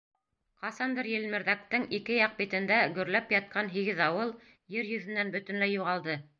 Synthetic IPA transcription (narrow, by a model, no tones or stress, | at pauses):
qɑsɑnd̪ɤɾjɘ̆lmɘ̆ɾðæk̚t̪ɘŋikɘjɑq̚bit̪ɘ̆nd̪æɡɵ̆ɾlæpjɑt̪̚qʰɑnɦiɡɘðɑwɤlˠ | jɘɾjɵ̆ðɘ̆nːænbɵ̆t̪ɘ̆nlæjuʁɑlˠd̪ɤ